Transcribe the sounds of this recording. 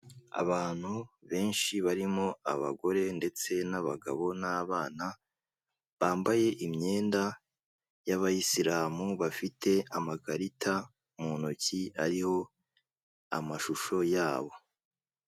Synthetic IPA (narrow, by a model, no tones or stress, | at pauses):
a̰βaːn̥huβe̞ːnʃiβaɾimo̞a̰βa̰ɡo̞ɾe̞nde̞t͡se̞naβa̰ɡa̰βo̞naβaːna | βaːmbaje̞ʔimɲe̞ːnda | jaβajisiɾaːmuβafitʰe̞amaɡaɾitʰa | munociaɾiho̞ | a̰maʃuʃo̞jaːβo̞